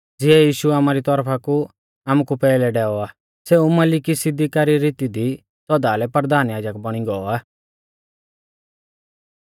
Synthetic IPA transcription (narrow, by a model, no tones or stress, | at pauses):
d͡zɪɛjiːʃuaːmaɾit̪ɔɾpʰaku | aːmukupɛːlɛɖɛːɔaː | sɛũmɐlɪkisɪd̪ikaːɾiɾit̪id̪i | sɔd̪aːlɛpəɾd̪ʱaːnjaːd͡ʒəkbɐɽ̃iɡɔɔaː